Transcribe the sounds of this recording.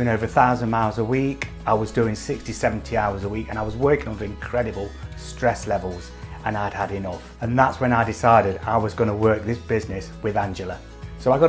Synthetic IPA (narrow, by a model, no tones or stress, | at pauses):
ɪ̃ŋoʊvə˞θaʊzə̃nmaɪə˞zəwikʔaɪwʌzdʉːɪ̃ŋsɪkstisɛṽn̩tʰiaʊə˞zəwikɨ̃ñaɪwʌzwɜ˞kɪ̃ŋə̃nə˞ɪ̃nkʰɹ̥ɛɾɨbəlˠstɹ̥ɛslɛvəlˠz | ə̃naɪəd̚əɾɪnʌf | ə̃nðatswə̃naɪdɪsaɪɾɪda̰ɪwʌzɡʌnəwɜ˞k̚ðɪsb̥ɪznɪswɪðãnd͡ʒɨlˠə | soʊaɪɡɑ